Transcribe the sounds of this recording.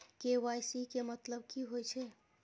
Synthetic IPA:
keʋajsikemət̪ləbkiɦojt͡ʃʰɛ

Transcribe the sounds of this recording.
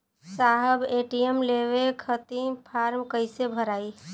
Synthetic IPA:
saɦəbeʈiemlewekʰət̪ipʰaɾmkəɪsebʱəɾaːi

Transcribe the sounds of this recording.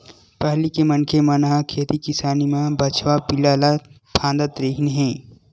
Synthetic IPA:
pəɦlikemɐnkʰemɐnaɦkʰeːt̪ikɪsaːnimãbɐt͡ʃʰʋapɪlaːla | pʰãːnd̪ət̪ɾeɦinɦɛ̃ː

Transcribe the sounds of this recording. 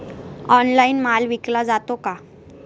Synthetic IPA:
ɔnlainmalʋiklad͡zat̪oka

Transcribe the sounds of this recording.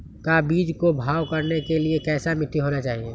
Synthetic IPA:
kabiːd͡ʒkobʱaːwkɐɾnekeliekɛːsamɪt̪ʰːiɦoːnat͡ʃaːɦieː

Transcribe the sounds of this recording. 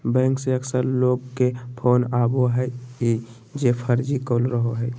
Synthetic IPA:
bɛ̃ːŋkseəksəɾloːɡkːepʰoːnaːboɦɛe | d͡ʒepʰəɾd͡ʒikoːlɾəɦoɦɛː

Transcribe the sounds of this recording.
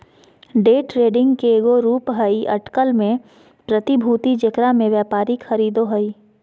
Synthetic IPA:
ɖeːʈɾeːɖɪ̃ŋɡkeːɡoɾuːpɦɐiʔɐ̰ʈkəlmẽ | pɾət̪ibʱuːt̪id͡ʒɪkɾamẽʋjaːpaːɾikʰɐɾiːd̪oɦɐiː

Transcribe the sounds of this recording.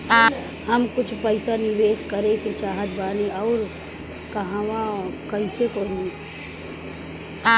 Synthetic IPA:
hɐmkʊt͡ʃʰpəɪsanɪʋeːʃkəɾẽket͡ʃaːɦət̪̚baːniɔːɾ | kɐɦãwãkɐisekoːd̪ẽ

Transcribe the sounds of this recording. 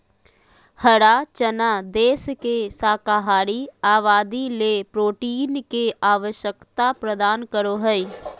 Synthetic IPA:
həɽat͡ʃənad̪eːskesaːkaːɦaːɾiaːʋaːd̪ilepɾoːʈiːnkeʔaːʋəʃjəkt̪apɾəd̪aːnkəɾoɦɛi

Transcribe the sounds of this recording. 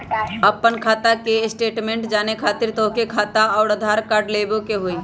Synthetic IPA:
əpːənkʰaːt̪akeɪsʈeːʈmẽːɳʈd͡ʒaːnekʰaːt̪ɪɾt̪okekʰaːt̪aɔːɾəd̪ʱaːɾkaːɾɖlebokeɦoːi

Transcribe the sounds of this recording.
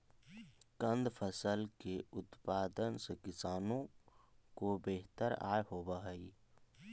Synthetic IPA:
kə̃nd̪pʰəsəlkeʊt̪paːd̪ənsekɪsaːnõkobeːɦt̪əɾa̰ːeɦoːbaɦəi

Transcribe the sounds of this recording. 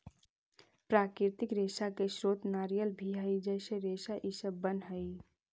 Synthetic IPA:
pɾaːkɪɾt̪ɪkɾesakeʃɾoːt̪naːɾijəlbʱiɦəjd͡ʒəɪseɾeːsaʔisəbːənɦəɪ

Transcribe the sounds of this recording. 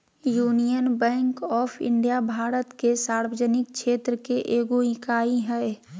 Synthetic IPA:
juːnijənbɛ̃ːŋkɔːpʰɪ̰̃ɳɖijabʱaːɾət̪kesaːɾwəd͡ʒənɪk̚ʃʰeːt̪ɾəkeʔeːɡoɪkaːiɦɛː

